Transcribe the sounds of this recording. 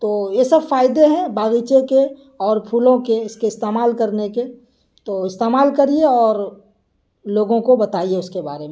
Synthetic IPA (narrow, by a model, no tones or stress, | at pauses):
t̪oːjesɐbfaːɪd̪eɦɛ̃baːɣit͡ʃeke | ɔːɾpʰuːlõkeɪskeɪst̪eːmaːlkɐɾneke | t̪oːɪst̪eːmaːlkɐɾieɔːɾ | loːɡõkobɐt̪aːieʊskeba̰ːɾemẽ